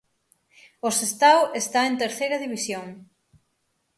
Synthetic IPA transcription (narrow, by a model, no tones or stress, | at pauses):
osest̪awest̪aent̪eɾθejɾɐðiβisjoŋ